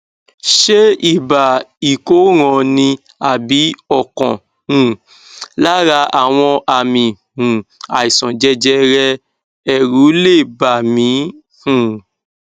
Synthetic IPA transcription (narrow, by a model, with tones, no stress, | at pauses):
ʃe˦i˦˨ba˨i˨ko˨˦ɾ̃ɔ̃˨nĩ˧ | a˨bi˨˦ɔ˦˨kɔ̰̃˨ | ũ˨ | la˦ɾa˧a˨w̃ɔ̃˧ʔa˨mĩ˨ | ũ˨a˨i˨sɔ̃˨d͡ʒɛ˧˦d͡ʒɛ˦ɾɛ˦ | ɛ˧ɾu˨˦le˦˨ba˨mĩ˨˦ | hũ˨